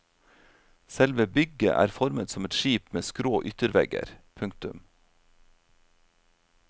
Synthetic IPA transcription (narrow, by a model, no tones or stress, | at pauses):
sɛlʋəːbʏɡə̰ʔæ̰ːɾfɔɾmət̪sɔmɛt̪ʃiːpmeːskɾoːʔʏt̪əɾʋɛɡə̰ɾpʰʉŋkt̪ʉm